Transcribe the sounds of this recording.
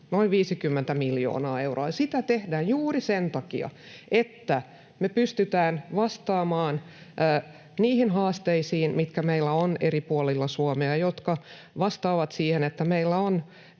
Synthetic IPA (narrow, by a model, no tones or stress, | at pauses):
noiʋʋiːsikymːent̪æmiljo̰ːnɑːeuro̰ɑjɑsit̪æt̪ehdæːjjuːrisent̪ɑkḭɑ̰ | ʔet̪ːæ | mepyst̪yt̪æːnʋɑst̪ɑːmɑːn | ʔː | niːhinhɑːst̪eisiːnmit̪kæmeilːæoneripuolilːɑsuomeɑjot̪kɑ | ʋɑst̪ɑːʋɑt̪siːhenet̪ːæmeilːæon